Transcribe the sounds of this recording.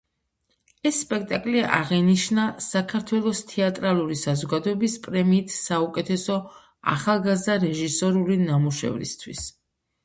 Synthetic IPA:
ɛsːpʼɛk̚t̪ʼakʼlia̰ʁɛniʃnasakʰaɾt̪ʰwɛlˠɔst̪ʰɛat̪ʼɾalˠuɾisazɔɡad̪ɔɛbispʼɾɛmiːt̪ʰsaukʼɛt̪ʰɛsɔ | a̰χalˠɡazd̪aɾɛʒisɔɾulinamuʃɛ̰vɾḭst̪ʰwḭs

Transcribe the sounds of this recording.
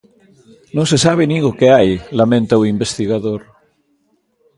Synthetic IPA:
nõŋsesaβ̞eniɣokeajlamẽnt̪auimbest̪iɣaðoɾ

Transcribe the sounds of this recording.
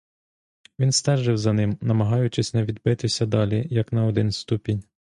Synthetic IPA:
ʋʲinst̪ɛʒɪwzɐnɪmnɐmɐɦɑjʊt͡ʃɪsʲnɛʋʲid̪bɪt̪ɪsʲɐd̪ɑlʲijɐknɐɔd̪ɪnst̪upʲinʲ

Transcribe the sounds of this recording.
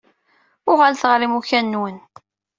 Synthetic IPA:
ʊʁalθəʁɾimuçænːwən

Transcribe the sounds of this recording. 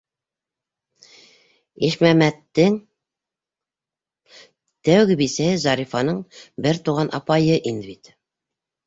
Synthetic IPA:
iʃmæmæt̪ːɘŋ | t̪æwɡɘbisæhɘzɑɾifɑnɤɴbɘɾt̪uʁɑnʔɑ̰pɑjɤʔind̪ɘbit̪

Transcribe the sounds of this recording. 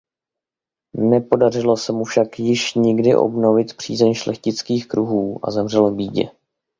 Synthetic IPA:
nɛpo̞dar̝ɪlo̞sɛmufʃakjɪʃɲɪɡdɪʔo̰bno̞vɪt̪pr̝̥ḭːzɛɲʃlɛxcɪt͡skiːxkɾuɦuːʔa̰zɛmr̝ɛlvbiːɟɛ̰

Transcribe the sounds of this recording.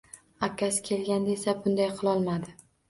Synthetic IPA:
akʲʰːasɪ̥kʲʰe̞lɡʲand̪aesabʊnd̪ajqʰɨlˠɒlˠmad̪ɪ

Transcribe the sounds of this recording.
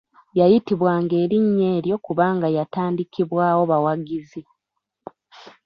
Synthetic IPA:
jajitiβwaːŋɡe̞ːɾiɲːe̞ːɾjo̞kuβaːŋɡajataːndikʰiβwaːwo̞βawaɡizi

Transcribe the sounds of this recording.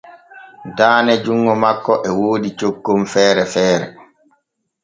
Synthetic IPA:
daːnɛd͡ʒuŋːɔmakːɔʔɛwoːdit͡ʃokːomfɛːɾɛfɛːɾɛ

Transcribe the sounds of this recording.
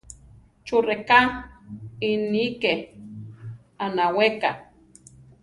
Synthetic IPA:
t͡ʃureka | inike | anaweka

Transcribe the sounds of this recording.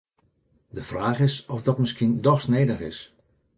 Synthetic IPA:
dəfraːχɪsɔfdɔtmɪskindɔxsnejdəɣɪ̰s

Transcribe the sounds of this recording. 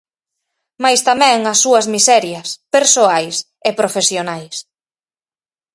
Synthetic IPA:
majst̪amɛ̃ŋɐsːuɐzmisɛɾjɐspeɾsoajs | ɪpɾofesjonajs

